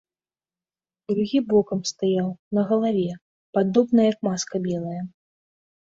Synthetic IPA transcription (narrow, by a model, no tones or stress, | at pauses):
d̪ɾuɣʲibɔkɐmst̪ajawnɐɣɐlˠavʲɛ | pad̪ɔbnɐjjɐkmaskɐbʲɛlˠɐjɐ